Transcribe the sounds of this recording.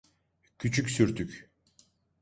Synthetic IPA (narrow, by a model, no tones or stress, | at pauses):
cʰyt͡ʃʰycʲsyɾt̪ʰycʲ